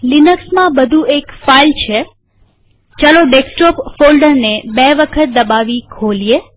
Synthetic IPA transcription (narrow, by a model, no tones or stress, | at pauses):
linəksmãbəd̪ʱuʔekfailt͡ʃʰe | t͡ʃaloɖeksʈɔpfolɖəɾnebɛʋəkʰət̪̚d̪əbaʋikʰolie